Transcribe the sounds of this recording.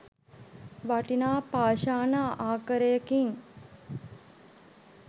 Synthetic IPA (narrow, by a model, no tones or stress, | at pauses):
ʋaʈinaːpaːʃaːnaːʔaːkəɾəjəkiŋ